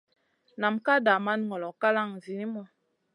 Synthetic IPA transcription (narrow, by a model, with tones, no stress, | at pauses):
na˨mka˦da˨ma˦nŋɔ˨lɔ˨ka˦la˦˨ŋzi˨ni˦mɔ˦˨